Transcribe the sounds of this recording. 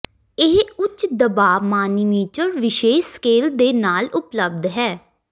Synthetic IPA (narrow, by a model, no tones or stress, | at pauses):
ɪɦʊt͡ʃd̪əbaːmaːniːmiːt͡ʃəɾʋɪʃeːʃskeːld̪eːnaːlʊpləb̚d̪ɦɛː